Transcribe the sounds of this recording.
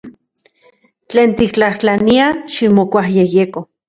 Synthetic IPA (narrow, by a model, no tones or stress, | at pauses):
t͡ɬeːnt̪ikt͡ɬaht͡ɬaniaʃimokʷahjejeko